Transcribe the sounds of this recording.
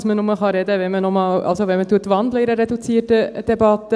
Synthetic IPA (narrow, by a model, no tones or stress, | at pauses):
smənɔmɑχɑɾɛdəvɛnmənɔmɑlɑ̰lsovɛnmətuətvɑndləiɾəɾedut͡siərtəd̥ebɑtə